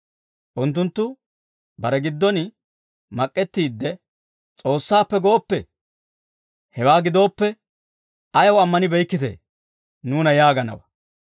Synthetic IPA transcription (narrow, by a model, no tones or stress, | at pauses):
ʔʊnt̪ːʊnt̪ːʊ | bɐɾɛɡɪd̪ːɔnɪ | mɐkʼːɛt̪ːiːd̪ːɛ | t͡sʼo̞ːsːaːpːɛɡo̞ːpːɛ | hɛwaːɡɪd̪o̞ːpːɛ | ɐjɐwɐmːɐnɪbɛjkːɪt̪ḛː | nuːnɐjaːɡɐnɐ̰wɐ